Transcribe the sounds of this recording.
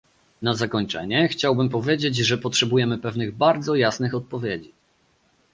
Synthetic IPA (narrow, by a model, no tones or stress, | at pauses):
nazakɔɲt͡ʂɛ̰ɲɛxt͡ɕawbɘmpɔvʲjed͡ʑed͡ʑʐɛpɔtʂɛbujɛmɘpɛvnɘɣbaɾd̪zɔjasnɘxɔt̪̚pɔvʲjed͡ʑi